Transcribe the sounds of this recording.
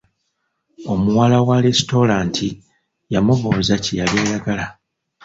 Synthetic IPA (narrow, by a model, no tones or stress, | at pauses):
o̞muwalawaɾesto̞ɾaːntʰi | jamuβo̞ːzacejaljaːjaɡala